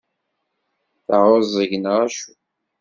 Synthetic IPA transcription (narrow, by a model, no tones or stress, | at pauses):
θəʁozˤəʝənʁæʃu